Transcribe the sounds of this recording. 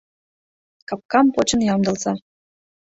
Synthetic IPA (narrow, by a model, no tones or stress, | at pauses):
kɑp̚kɑmpot͡ɕɤ̆njɑmd̪ɤ̆lzɑ